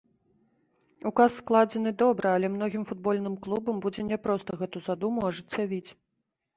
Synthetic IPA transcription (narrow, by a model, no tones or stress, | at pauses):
ukasːklˠad͡zʲɛnɨd̪ɔbɾɨalʲɛmnɔɣʲimfud̪̚bɔlʲnɨmklˠubɐmbud͡zʲɛnʲɛpɾɔst̪ɐɣɛt̪uzad̪umuɐʐɨt͡sʲːavʲit͡sʲ